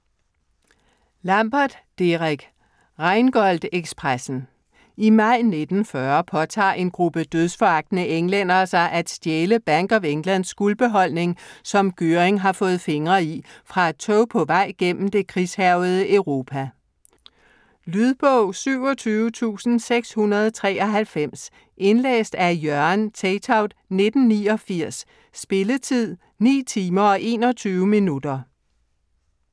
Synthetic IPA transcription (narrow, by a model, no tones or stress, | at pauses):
lɑmb̥ɑd̥ːeʁaɡ̥ | ʁɑ̈ɪnɡ̥ɒ̽l̰d̥eɡ̥spʰʁasn̩ | imɑ̈ɪ̰ne̝d̥n̩fɶɐpʰɒ̽t͡sʰɑ̰̈ːʔe̝nɡ̥ʁub̥əd̥øðˠsfɒɑ̈ɡ̥̚d̥nəʔeŋlen̰ɐːsɑ̈ɪʔæd̥sd̥jeːləb̥æŋɡ̥ɒʋeŋlæn̰sɡ̥ulb̥e̝ɦɒ̽l̰ne̝ŋsɒ̽mɡ̥øʁeŋɦɑ̈fɔ̽ːð̩ˠfe̝ŋʁɐifʁɑ̈æ̥t͡sʰɔʊpʰɒ̽ʋɑ̈ɪ̰ɡ̥en̰m̩d̥e̝kʰʁishæʊð̞̩ˠəʔœʊʁo̝ːpʰæ | lyð̞ˠb̥ɔʊ̰syʊ̰ɒ̽t͡sʰyːʊət͡sʰṵːsn̩seɡ̥shunɐð̞ˠt͡sʰʁɛ̰ːɒ̽ɦælfem̰s | ʔe̝nlḛːsd̥æɐjɶɐnt͡sʰɛɪt͡sʰɑ̈ʊd̥ne̝d̥n̩niːɒ̽fiɐ̰sː | b̥e̝lət͡sʰið̰ˠ | nḭːt͡sʰiːmɐɒ̽ʔe̝̰ːnɒt͡sʰyːʊəminud̥ɐ